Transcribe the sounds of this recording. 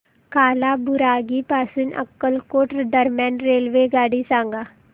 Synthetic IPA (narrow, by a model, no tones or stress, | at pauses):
kaːlaːbʊɾaːɡiːpaːsɪnə̰kːəlkoːʈɾd̪əɾmjaːnɾeːlʋeːɡaːɽisãːŋɡaː